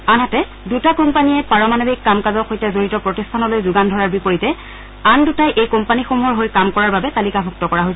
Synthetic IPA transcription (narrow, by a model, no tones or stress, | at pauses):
anɦatɛ | dutakɔmpaniɛpaɹɔmanobikːamkazɔxojtɛzoɹitɔpɹɔtistʰanɔlojzʊɡandʱɔɹaɹbipoɹitɛ | andutajʔejkɔmpanixomuɦɔɹɦojkamkɔɹaɹbabɛtalikabʱuk̚tɔkɔɹaɦojsɛ